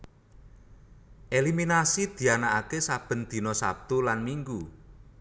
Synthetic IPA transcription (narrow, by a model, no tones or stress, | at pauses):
ʔeliminasid̪̥i̤anaʔakesab̥ə̤nd̪̥i̤nɔsa̰b̚t̪ulanmiŋɡu